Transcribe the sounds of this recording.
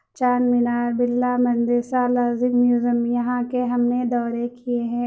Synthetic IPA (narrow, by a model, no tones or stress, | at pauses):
t͡ʃaːnmɪnaːɾbɪlːamɐ̃nd̪ɪɾsalaːzɪkmjuːzəmjɐɦãkeɦɐmned̪ɔːɾekieɦɛ̃ː